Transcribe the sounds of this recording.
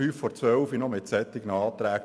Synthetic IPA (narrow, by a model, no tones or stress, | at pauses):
yːfːɔɾt͡sʋœwfinɔmɪt̪sɛt̪ːɪɡnɑːt̪ɾæːk